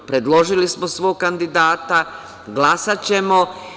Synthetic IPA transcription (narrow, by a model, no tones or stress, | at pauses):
pɾe̞d̪lˠo̞ʒilismosʋoːɡ̚kand̪id̪aːt̪a | ɡlasat͡ɕe̞mo